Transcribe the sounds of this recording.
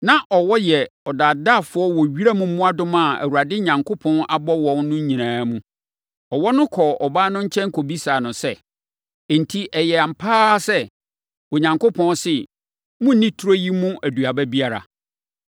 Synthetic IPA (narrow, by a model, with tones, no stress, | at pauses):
nã˦ʔɔ˨wɔ˦jɛ˨ɔ˨da˨da˦˨fʊ˦ɔ˦wɔ˨ɥi˦ɾa˦mũ˨˦mʊ̃˦a˦dʊ̃˦mã˦˨æ̰˨wu˨ɾa˨dɪ˦ɲã˨ŋkʰo˦pʰɔ̃˦na˨bɔ˦wɔ̃˨nnʊ̃˦ɲ̩˦ɲĩ˨nãː˨˦mũ˦ | ɔ˨wɔ˦nʊ̃˦kʰɔ˨ɔ˨baː˦nʊ̃˦ɲ̩˦t͡ɕʰɛ̃˦ŋ˦kʰo˨bi˦saː˨nʊ̃˨sɛ̃˦˨ | n˨tʰi˦ʔɛ˨jɛ˨a˨m̩˨pʰaː˦sɛ˦ | wo˨ɲã˨ŋko˦pʰɔ̃˦nsɪ˦ | mʊ̃˦n̩˦nĩ˦tʰu˦ɾo˦ji˦mũ˦ʔæ˨du˨a˨bæ˦bi˦a˦ɾa̰˨